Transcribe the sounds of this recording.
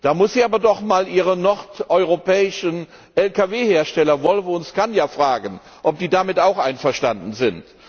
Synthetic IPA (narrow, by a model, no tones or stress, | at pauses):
d̥aːmʊsz̥iːaːbɐdɔχmaːlʔiːʁənɔʁtʔɔʏʁopɛːɪʃən | ʔɛlkaveːheːɐʃtɛlɐvɔlvʊnskanjaːfʁ̥aːɡən | ʔɔp̚d̥iːdaːmɪtaʊxʔaɪnfɛɐʃtandn̩zɪnt